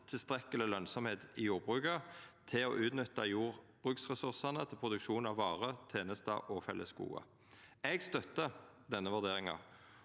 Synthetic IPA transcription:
t̪ʰɪlst̪ʁɛkəlɪlœnsɔmheːt̪ɪjuːʁbʁʉːkət̪ʰɪo̰ːʔʉːt̪nʏt̪ːɑjuːʁb̥ʁʉːksʁɛsʉʁsɑnət̪ʰɪlpʰʁʊd̪ʉkʃuːnɑʋːɑːʁət̪ʰeːnəst̪ɑ̰ʔɔfɛləskṵːɑ̰ | ɛɡst̪œt̪ːə | d̪ɛnːəʋʉʁd̪eːʁɪŋɑ̰

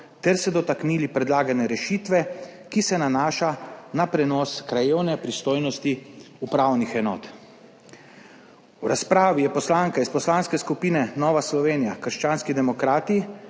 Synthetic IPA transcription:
t̪ɛɾsɛd̪ɔt̪akniːlipɾɛd̪laːɡanɛɾɛʃiːt̪ʋɛ | kisɛnanaːʃanapɾɛnɔːskɾajeːwnɛpɾist̪oːjnɔst̪i | upɾaːwnixɛnɔ̰ːt̪ | wɾaspɾaːʋijɛpɔslaːŋkaispɔslaːnskɛskupiːnɛnɔːʋaslɔʋeːnijakəɾʃt͡ʃaːnskid̪ɛmɔkɾaːt̪i

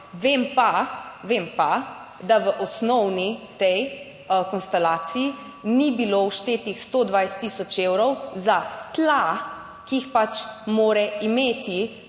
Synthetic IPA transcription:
ʋeːmpaʋempa | d̪aʋəʔɔsnɔwnit̪ɛj | kɔnst̪ɛlaːt̪siji | nibilowʃt̪eːt̪ixst̪oːd̪ʋajst̪ːisɔt͡ʃeːwɾɔwzat̪la | kiixpat͡ʃmoːɾɛimeːt̪i

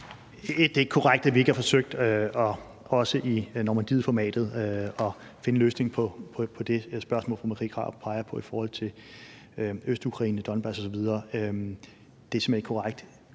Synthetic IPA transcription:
d̥eɡ̥kʰɒʁaɡ̥̚d̥æʋie̝ɡ̥əhɑ̈fɒ̽søɡ̥̚d̥ɒ̽ | ɒ̽səʔinɒmænd̥ḭðˠfɒmɛ̰ːd̥ð̩ˠɒ̽fe̝nəløːsne̝ŋpʰɒ̽pʰɒpʰɒ̽d̥e̝sb̥ɶɐsmɔ̰̽ːlfɑmæʁḭkʰʁɑ̰̥̈pʰɑ̈ɪɐpʰɒ̽ifɒːhɒ̽l̰t͡sʰe̝ | øsd̥ukʰʁɑ̈ḭːnəd̥ɒ̽nb̥ɑsɒ̽sɒ̽ʋið̞ˠɐːø | d̥esimeneɡ̥kʰoʁaɡ̥̚d̥

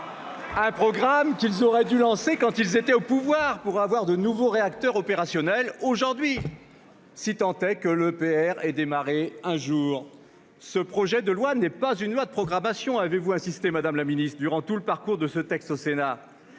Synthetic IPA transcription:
ɛ̃pχɔɡʁamkilzɔʁɛd̪ylɑ̃sekɑ̃t̪ilzet̪ɛopuvwaʁpuʁavwaʁd̪ənuvoʁeakt̪œʁɔpeʁasjɔnɛloʒuʁd̪ɥi | sit̪ɑ̃t̪ɛkələpeɛʁɛd̪emaʁeɛ̃ʒuːʁ | səpχɔʒɛd̪əlwanɛpazynlwad̪əpχɔɡʁamasjɔ̃avevuɛ̃sist̪emad̪amlaminist̪χd̪yʁɑ̃t̪uləpaʁkuʁd̪əsət̪ɛkst̪osena

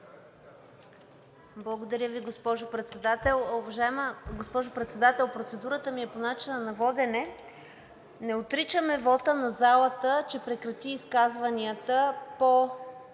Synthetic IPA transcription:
blˠɐɡod̪ɐɾʲəviɡospɔʒʊpɾɛt̪sɛd̪at̪ɛlˠovɐʒaɛməɡospɔʒʊpɾɛt̪sɛd̪at̪ɛlˠpɾot̪sɛd̪uɾət̪əmiɛponat͡ʃinənɐvɔd̪ɛnɛ | nɛot̪ɾit͡ʃəmɛvɔt̪ənɐzalˠət̪ət͡ʃɛpɾɛkɾɐt̪iːskazvɐniət̪əpo

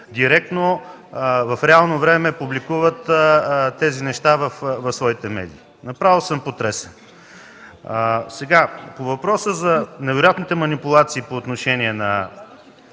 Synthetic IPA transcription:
d̪iɾɛk̚t̪no | vɐfɾɛalˠnovɾɛmɛpublikuvət̪t̪ːɛzinɛʃt̪avɐfvɐfsvɔit̪ɛmɛ̰d̪ḭː | nɐpɾavilˠsəmpot̪ɾɛsɛn | sɛɡapovɐpɾɔsəzɐnɛvɛɾojat̪nit̪ɛmɐnipulˠat̪siːpoːt̪noʃɛniɛnɐ

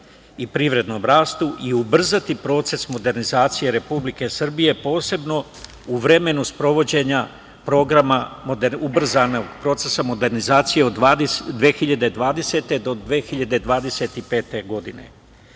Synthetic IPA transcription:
ipɾiʋɾe̞d̪no̞mɾaːst̪uʔiubr̩zat̪ipɾo̞ːt̪se̞smo̞d̪e̞ɾnizaːt̪sije̞ɾe̞publike̞sr̩bije̞po̞ːse̞bno̞ | uʋɾe̞me̞nuspɾo̞ʋo̞d͡ʑe̞ɲa | pɾo̞ɡɾamamod̪eubr̩zanoɡpɾo̞t̪se̞samo̞d̪eɾnizaːt̪sijeod̪ad̪d̪ʋeːxiʎad̪e̞d̪ʋaːd̪e̞se̞t̪e̞d̪o̞d̪ʋeːxiʎad̪e̞d̪ʋaːd̪e̞se̞t̪ipe̞ːt̪e̞ɡo̞d̪inḛ

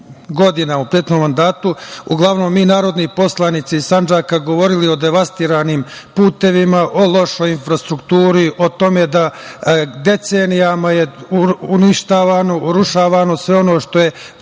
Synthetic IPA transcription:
ɡo̞d̪inaupɾiet̪nomːand̪aːt̪uuɡlˠaʋno̞mːiːnaːɾo̞d̪nipo̞slˠanit̪siisand͡ʒaːkaɡo̞ʋo̞ɾilio̞d̪eʋast̪iːɾaːnimpuːt̪e̞ʋimaʔo̞lˠo̞ʃo̞jinfɾast̪ɾukt̪uːɾiʔo̞t̪o̞me̞d̪a | d̪e̞t̪se̞ːnijamajeuniʃt̪aːʋaːno̞uɾuʃaːʋano̞sʋe̞o̞no̞ːʃt̪o̞je̞

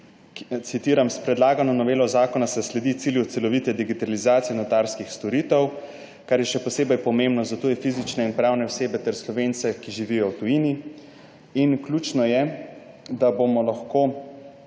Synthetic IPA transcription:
t̪sit̪iːɾamspɾɛd̪laːɡanɔnɔʋeːlɔzaːkɔnasɛslɛd̪it̪siljut̪sɛlɔʋit̪ɛd̪iɡit̪alizaːt̪sijɛnɔt̪aɾskixst̪ɔɾiːt̪ɛw | kaɾjɛʃɛpɔseːbɛjpɔmembnɔzat̪oːjɛfizit͡ʃnɛinpɾawnɛɔwseːbɛt̪ɛɾslɔʋeːnt̪sɛkiʒiʋijɔwt̪ujini | inkluːt͡ʃnɔjɛ | d̪abomɔlaxkoː

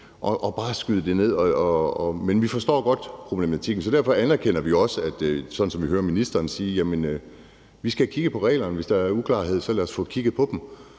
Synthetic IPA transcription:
ʔɒʔɒb̥ɑ̈ːsɡ̥yðˠəd̥e̝ne̝ð̞̰ˠɒɒɒmenʋifɒ̽sd̥ɒ̰ːɡ̥ɒ̽d̥pʰʁo̝b̥le̝mæt͡sʰiɡ̥n̩sɒ̽d̥æɐfɒ̽ænæɐkʰen̰ɐʋioɒ̽səæd̥sɒ̽d̥n̩sɒ̽mʋihøːɐminisd̥ɐːnsiːɐjæmen | ʋisɡ̥ækʰiɡ̥əpʰɒ̽ʁɛ̰ːlɐnʋe̝sd̥ɑ̈æɐukʰlɑ̰̈ːɦe̝ð̞̰ˠsɒ̽læɐsfɔ̰ːkʰiɡ̥ð̩ˠpʰɒ̽d̥m

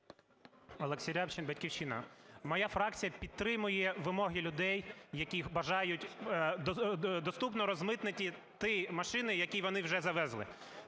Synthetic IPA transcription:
ɐlˠeksʲiɾʲawt͡ʃɪnbɐtʲkʲiwt͡ʃɪnɐ̰mɔjafɾɑk̚t͡sʲijɐpʲid̪̚t̪ɾɪmʊjɛʋɪmɔɦɪlʲʊd̪ɛjːɐkʲibɐʒɑjʊt̪ʲ | d̪ɔst̪upnɔɾɔzmɪt̪nɪtʲit̪ɪmɐʃɪnɪjɐkʲiʋɔnɪwʒɛzɐʋɛzlˠɪ̰

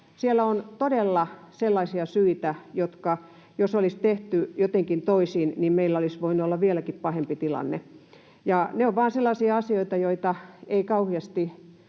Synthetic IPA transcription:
sielæont̪odelːɑselːɑisiɑsyit̪æjot̪kɑ | josolist̪eht̪yjot̪eŋkint̪oisiːnnimmeilːæolisʋoinuolːɑʋielækippɑhempit̪ilɑ̰nːḛ | jɑneoʋʋɑːnselːɑsiɑɑsioit̪ɑjoit̪ɑeikɑuhiɑst̪i

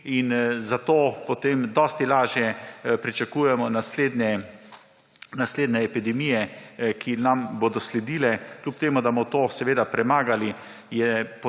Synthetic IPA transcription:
inzat̪oːpɔt̪eːmd̪ɔːst̪ilaːʒjɛpɾit͡ʃakuːjɛmɔnasleːd̪nɛ | nasleːd̪nɛːpid̪ɛmiːjɛkʰinamboːd̪ɔslɛd̪iːlɛklʲupt̪eːmud̪amɔt̪oːsɛʋeːd̪apɾɛmaːɡali | jɛp

